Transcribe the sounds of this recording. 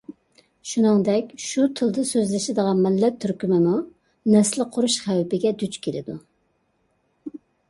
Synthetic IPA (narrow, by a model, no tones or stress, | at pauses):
ʃunɨŋd̪ɛkʲʃut̪ʰɨlˠd̪ɨsøzlɪʃɪd̪əʁɑnmɪlːɛt̪ʰːyɾkʲymɪmu | nɛslɨqʰːʊɾuʃχæwpɪɡʲɛd̪yt͡ʃkʲʰelɪ̰d̪u